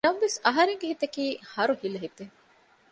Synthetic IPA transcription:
nɐmʋesɐɦɐɾeŋɡeɦit̪ɐkiːhɐɾuhilɐɦit̪e

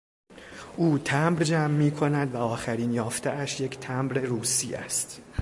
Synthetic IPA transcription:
ʔuːt̪ʰæmbɾd͡ʒæmːiːkʰo̞næd̪væɒːxæɾiːnjɒːft̪eʔæʃje̞cʰt̪ʰæmbɾe̞ɾuːsiːæ̰st̪

